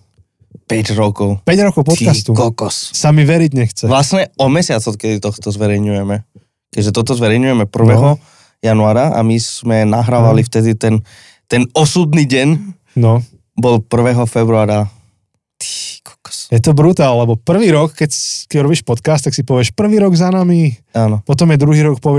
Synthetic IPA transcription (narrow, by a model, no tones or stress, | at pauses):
pɛɟɾɔkɔʊpɛɟɾɔkɔʊp̪ɔt̪kast̪ukɔkɔssamiʋɛɾiɟɲɛxt͡sɛʋlasɲɛɔmɛsɪat͡sɔkɛd̪it̪ɔxt̪ɔzʋɛɾɛjɲujɛmɛ | kɛʒɛt̪ɔt̪ɔzʋɛɾɛjɲujɛmɛpr̩ʋɛɦɔ | januaːɾaa̰mismɛnaɦɾaːʋalift̪ɛd̪it̪ɛn | t̪ɛnɔsud̪niːɟɛn | nɔ | bɔlpr̩ʋɛɦɔfɛbɾuaːɾa | t̪i̥kɔ̥kɔ̥sjɛt̪ɔbɾut̪aːllɛbɔpr̩ʋiːɾɔkːɛckɛɾɔbiːʃpɔt̪kast̪ːaksipɔʋɪɛʃpr̩ʋiːɾɔɡzanamiaːnɔpɔt̪ɔmjɛd̪ɾuɦiːɾɔkpɔʋɪɛ